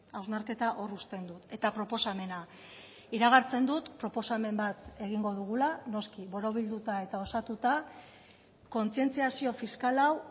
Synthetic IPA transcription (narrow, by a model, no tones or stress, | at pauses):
awznaɾke̞t̪aʔo̞rust̪e̞nd̪ut̪e̞t̪apɾo̞po̞same̞na | iɾaɣ̞aɾt͡se̞nd̪ut̪pɾo̞po̞same̞mbat̪e̞ɣ̞iŋɡo̞ðuɣ̞ulano̞skiβo̞ɾo̞β̞ild̪ut̪ae̞t̪ao̞sat̪ut̪a | ko̞nt͡sie̞nt͡siasio̞fiskalaw